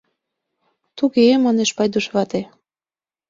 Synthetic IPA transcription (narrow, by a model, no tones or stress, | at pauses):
t̪uɣemɑneʃpɑjd̪uʃβɑt̪e